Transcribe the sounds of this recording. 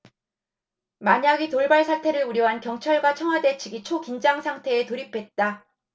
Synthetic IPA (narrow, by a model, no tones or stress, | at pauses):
maɲaɡitoɭbaɭsʰatʰe̞ɾɯɭuɾjʌɦankjʌŋt͡ɕʰʌɭɡwat͡ɕʰʌŋɦwade̞t͡ɕʰiɡit͡ɕʰokind͡ʑaŋsʰaŋtʰe̞ːtoɾipʰe̞t̚t͈a